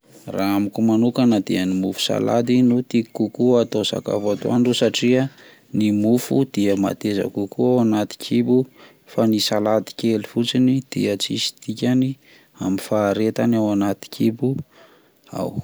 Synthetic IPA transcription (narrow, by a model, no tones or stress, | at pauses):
raamikumanukanad̪iənimufu̥sa̰la̰d̪inut̪iikukuat̪osa̰ka̰fat̪o̰anɖ͡ʐusaʈ͡ʂia | nimufud̪̥iəma̰t̪eza̰kukuawanat̪i̥kʰibu | fanisalad̪i̥kʲelifut͡sinid̪̥ḭət͡sisi̥t̪ikʲani | amifaːɾet̪anawanat̪i̥kʲʰibu | a̰w